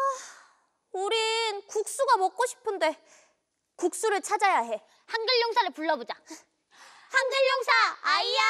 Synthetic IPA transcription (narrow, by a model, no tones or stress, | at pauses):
a | uɾinkuk̚s͈uɡamʌk̚k͈oɕʰi̥pʰɯnde̞ | kuk̚s͈uɾɯɭt͡ɕʰad͡ʑajaɦe̞ | haŋɡɯʎːʌŋsʰaɾɯɭpuɭːʌbod͡ʑa | haŋɡɯʎːʌŋsʰaaija